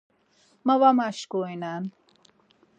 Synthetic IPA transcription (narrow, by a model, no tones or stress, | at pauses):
mɐwamaʃkojnaːn